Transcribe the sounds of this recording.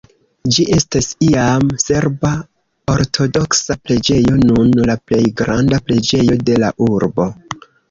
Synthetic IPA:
d͡ʒiʔe̞stasiamse̞ɾba | o̞ɾtʰo̞do̞ksapɾe̞d͡ʒe̞jo̞nunlaple̞jɡɾandapɾe̞d͡ʒe̞jo̞de̞la̰ʔuɾbo̞

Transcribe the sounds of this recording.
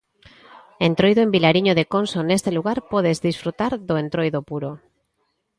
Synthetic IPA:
ent̪ɾojðoembilaɾiɲoðekonsonest̪eluɣ̞aɾpɔð̞ezðisfɾut̪aɾðoent̪ɾojðopuɾo

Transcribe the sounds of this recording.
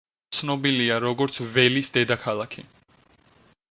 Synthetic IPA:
sʰnɔbiliaɾɔɡɔɾt̪sʰvɛlisd̪ɛd̪akʰalˠakʰi

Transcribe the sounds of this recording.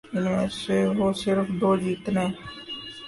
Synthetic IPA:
ɪnmẽːseʋoːsɪɾfʰd̪oːd͡ʒiːt̪nẽː

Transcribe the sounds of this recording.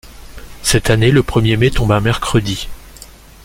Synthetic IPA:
sɛt̪aneləpχəmjemet̪ɔ̃bɛ̃mɛʁkχəd̪i

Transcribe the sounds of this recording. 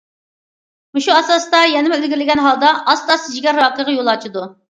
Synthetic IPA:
muʃuɑsɑst̪ɑjɛnɪmɛølɡʲiɾɪlɪɡʲɛnɦɑlˠd̪ɑʔɑst̪ɑsd͡ʒiɡʲɛɾwɑːqəʁɑjolˠɑt͡ʃʰid̪u

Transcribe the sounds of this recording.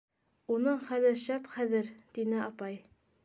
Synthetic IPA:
unɤɴχælɘɾʃæpχæðɘɾt̪inɘɑpɑj

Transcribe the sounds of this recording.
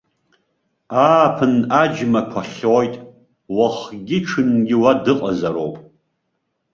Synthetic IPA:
aːpʰɨnad͡ʒmakʷʰaχojtʼ | waχɡʲɪʈ͡ʂʰɨnɡʲɪwadɨqʼazaɾo̰wpʼ

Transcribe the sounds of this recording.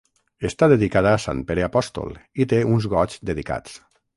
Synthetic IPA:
est̪aðeðikaðaːsa̰npeɾeapɔst̪o̰lˠit̪eunzɣɔd͡ʒzd̪eðika̰t͡s

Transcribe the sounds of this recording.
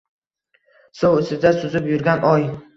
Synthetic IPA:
sowsɪzd̪asʊzɪpjʊɾɡʲanʔɒj

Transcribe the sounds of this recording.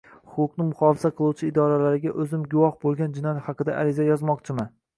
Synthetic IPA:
ʊqʰʊqnɪmʊχɒfɪsaqʰɨlˠuwt͡ʃʰɪːd̪ɒɾalaɾɪɡʲaʔɵzɪmɡʊwɒhbolˠɡʲand͡ʒɪnɒjahɑqɨd̪aʔaɾɪzajɒzmɒqt͡ʃʰɪma

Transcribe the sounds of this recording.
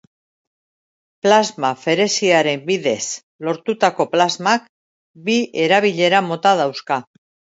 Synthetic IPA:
plazmafe̞ɾe̞siaɾe̞mbiðe̞s | lo̞ɾt̪ut̪ako̞plazmak | bie̞ɾaβiʎe̞ɾamo̞t̪aðawska

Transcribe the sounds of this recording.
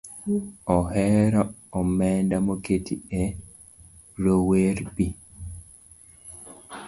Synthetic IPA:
ɔɦɛɾɔːmɛndamoketiɛ | ɾoweɾbi

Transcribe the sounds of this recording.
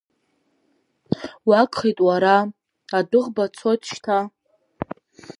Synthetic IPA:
wakʼχejtʼwaɾa | adɨʁbat͡sʰotʼt͡ʃtʰa

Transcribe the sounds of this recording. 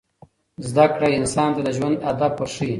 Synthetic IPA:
zd̪akɽaɪnsɑːnt̪ad̪əʒwand̪ad̪ab̚pəɾʂi

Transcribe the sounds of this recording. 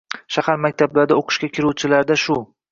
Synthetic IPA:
ʃahaɾmak̚ʲt̪ʰablaɾd̪aoqʰɨ̥ʃkʲakʲʰɪɾuwt͡ʃʰɪlaɾd̪aʃʊ

